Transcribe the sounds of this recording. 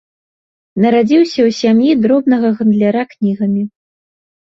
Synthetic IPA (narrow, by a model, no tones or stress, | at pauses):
nɐɾad͡zʲiwsʲɐwsʲamjid̪ɾɔbnɐɣɐɣɐnd̪lʲaɾaknʲiɣɐmʲi